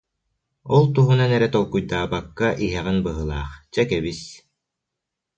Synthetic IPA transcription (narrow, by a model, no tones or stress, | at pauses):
ɔlˠt̪uɦunanɛɾɛt̪ɔlˠkujd̪aːbakːaʔiɦɛʁinbɯɦɯlˠaːχt͡ɕɛkɛβis